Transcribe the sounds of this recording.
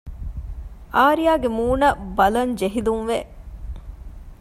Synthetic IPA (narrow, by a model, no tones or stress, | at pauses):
ʔaːɾijaːɡemuːnɐbɐlɐɲd͡ʒeɦilunʋe